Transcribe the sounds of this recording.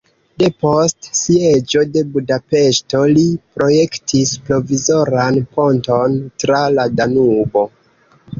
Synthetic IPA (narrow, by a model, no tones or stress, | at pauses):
de̞po̞stsie̞d͡ʒo̞de̞budape̞ʃto̞lipɾo̞je̞ktispɾo̞vizo̞ɾanpo̞nto̞ntɾaladanubo̞